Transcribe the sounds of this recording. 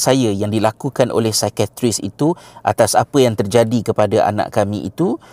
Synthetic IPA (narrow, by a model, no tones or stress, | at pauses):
sajəjaŋdilakukanʔo̰lɛhsajkat̪ɾisḭt̪uʔa̰t̪asapəjaŋt̪ərd͡ʒadikəpadaʔa̰nã̰ʔkamĩʔḭt̪u